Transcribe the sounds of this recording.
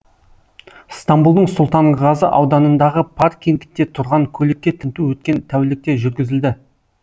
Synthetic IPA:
st̪ambulˠd̪əɴsʊlˠt̪ɑɴʁɑzəʔɑwd̪ɑnənd̪ɑʁəpʰarkʲːend̪ɪ̥k̚t̪e̞t̪ʰʊɾʁɑŋkʲʰɵlekʲːe̞t̪ʰɪnt̪uwɵt̪̚kʲe̞nt̪ʰæwlɪk̚t̪e̞ʒʏɾɡʲɪzɪld̪ɪ

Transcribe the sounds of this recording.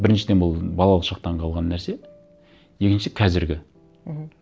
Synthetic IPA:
bɪɾɪnʃɪd̪e̞nbʊlˠbɑlˠɑlˠəqʃɑq̚t̪ɑɴqʰɑlˠʁɑnːæɾse̞ | je̞kʲɪnʃɪkʰɑzɪɾɡʲɪ

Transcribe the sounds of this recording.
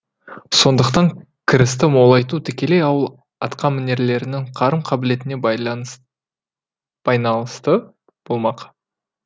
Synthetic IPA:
so̞nd̪əqt̪ɑŋ | kʲʰɪɾɪst̪ɪmo̞lˠɑjt̪ut̪ʰɪkʲe̞le̞jɑwəlˠ | ɑ̰t̪qʰɑmɪne̞ɾle̞ɾɪnɪŋqʰɑɾəmqʰɑbɪle̞t̪ɪne̞ | b̥ɑjnɑlˠəst̪ə | b̥o̞lˠmɑq

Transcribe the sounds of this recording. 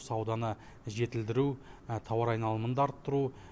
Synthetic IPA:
sɑwd̪ɑnə | ʒe̞t̪ɪld̪ɪɾut̪ʰɑwɑɾɑjnɑlˠəmənd̪ɑɾt̪ʰʊɾu

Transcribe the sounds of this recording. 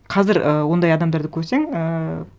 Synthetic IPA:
qʰɑzɪɾʔəwo̞nd̪ɑjɑd̪ɑmd̪ɑɾd̪əkʲʰɵɾse̞ŋə

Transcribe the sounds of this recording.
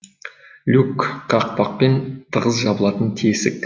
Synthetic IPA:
lʲukqɑq̚pɑq̚pe̞nt̪ʰəʁəzʒɑbəlˠɑt̪ənt̪ʲʰisɪk̪̚

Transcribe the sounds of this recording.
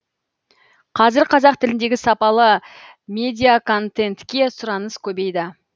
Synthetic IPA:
qʰɑzɪɾqʰɑzɑq̚t̪ʰɪlɪnd̪e̞ɡʲɪsɑpɑlˠə | mʲe̞d̪ʲijakʰo̞nt̪e̞nt̪kʲe̞sʊɾɑnəskʲʰɵbe̞jd̪ɪ

